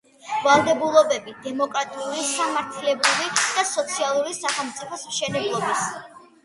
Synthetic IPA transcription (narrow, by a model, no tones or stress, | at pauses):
valˠd̪ɛbulˠɔbɛbid̪ɛmɔkʼɾat̪ʼiulisamaɾt̪ʰilɛbɾivid̪̥asɔt̪sʰialˠuɾisaχɛlˠmt̪sʼipʰɔsmʃɛnɛblˠɔbis